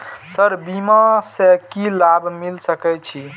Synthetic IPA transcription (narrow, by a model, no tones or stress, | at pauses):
səɾbimasekilabʱmilsəkɛjt͡ʃʰi